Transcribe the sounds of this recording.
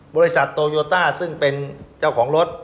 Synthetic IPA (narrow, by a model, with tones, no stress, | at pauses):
bɔː˧ɾi˦˥sa˨˩t̪ːoː˧joː˧t̪aː˥˩sɯ˥˩ŋpe˧nt͡ɕa˥˩wkʰɔː˩˦ŋɾo˦˥t̪̚